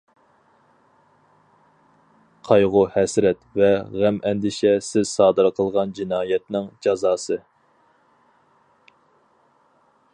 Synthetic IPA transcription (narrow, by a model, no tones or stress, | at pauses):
qʰɑjʁʊhɛsɾɛt̪vɛʁæmɛnd̪ɪʃɛsɪzsɑːd̪ɨɾqʰəlˠʁɑnd͡ʒinɑːjɛt̪nɪŋd͡ʒɑzɑːsɨ